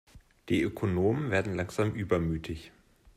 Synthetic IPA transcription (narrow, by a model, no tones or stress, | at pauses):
d̥iːʔøkʰonoːmənveːɐdn̩laŋz̥aːmʔyːbɐmyːtʰɪç